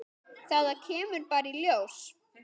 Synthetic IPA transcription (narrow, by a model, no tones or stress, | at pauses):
θaɣðacʰɛːmʏɾpaːɾɪiljows